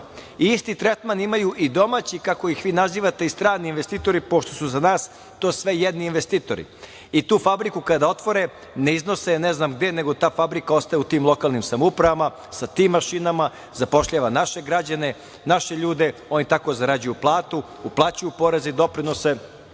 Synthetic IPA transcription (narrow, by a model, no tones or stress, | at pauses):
iist̪it̪ɾet̪manimajuʔid̪o̞maːt͡ɕikako̞jixʋiːnaziːʋat̪e̞ist̪ɾaːniːnʋest̪it̪o̞ɾipo̞ʃt̪o̞suzanaːs | t̪oːsʋe̞jed̪niːnʋest̪iːt̪o̞̰ɾḭ | it̪uːfabɾikukad̪ao̞t̪ʋo̞ɾe | ne̞izno̞seneznaːmɡd̪ene̞ɡo̞t̪aːfabɾikao̞st̪ajut̪iːmlˠo̞kaːlˠnimsamoupɾaʋama | sat̪iːmːaʃinama | zapo̞ʃʎaːʋanaʃe̞ɡɾad͡ʑane | naʃeʎuːd̪eo̞nit̪ako̞zaɾad͡ʑujuplˠaːt̪u | uplˠaːt͡ɕujupo̞ɾezeid̪o̞pɾino̞se